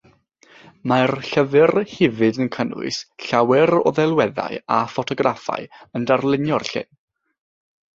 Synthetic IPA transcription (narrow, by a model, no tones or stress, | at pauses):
marɬəvɨrhɪvɨdənkʰənʊ̰ɨsɬawɛɾɔðɛlˠwɛða̰ɨafɔtʰɔɡrʔafa̰ɨəndarlˠɪnjɔrɬɪ̰n